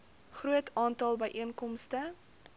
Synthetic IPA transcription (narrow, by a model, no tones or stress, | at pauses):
χɾuətʰɑːntɑlˠbəjʔiənkɔmstə